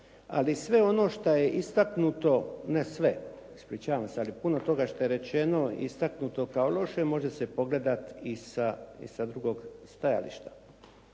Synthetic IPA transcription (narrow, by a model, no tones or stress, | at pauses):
a̰lisʋe̞o̞no̞ːʃt̪aje̞ʔist̪aknut̪o̞nesʋe | ispɾiːt͡ɕaːʋamsealipunot̪o̞ɡaʃt̪ojeɾe̞t͡ɕe̞no̞ḭst̪aknut̪o̞kaolo̞ʃe̞mo̞ʒe̞se̞po̞ɡle̞d̪at̪isaḭsad̪ɾuɡo̞ːɡst̪aja̰lḭʃt̪ḁ